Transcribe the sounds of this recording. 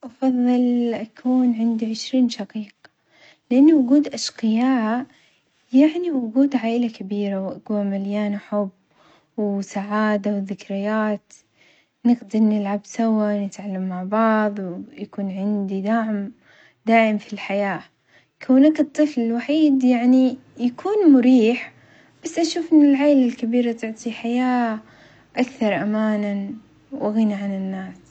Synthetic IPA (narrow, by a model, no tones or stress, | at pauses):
ʔɑfɑðˤːɨlʔakʰuːnʕɪnd̪iʕɪʃɾiːnʃɑqiːqɑ | lɪʔanːawʊɡuːd̪ʔaʃqɪjaː | jaʕniwʊɡuːd̪ʕaːʔɪlakabiːɾawʔaɡuamaljaːnaħʊb | wsaʕaːd̪awɪðɪkɾɪjaːt̪ | nɪɡd̪ɪnɪlʕabsawːanɪt̪ʕalːamːaʕbɑʕðˤwjakuːnʕɪnd̪id̪aʕm | d̪aːʔɪmfilħajaː | kʰawnaːkɨt̪ˤːɨflɪlwaħiːd̪jaʕnijakʰuːnmʊɾiːħ | b̥asːʔaʃuːfʔɪnːɪlʕaːlalkabiːɾat̪ʊʕt̪ˤiħajaː | ʔakθɑɾˤʔamaːnan | wʔaɣinaʕanɪnːaːs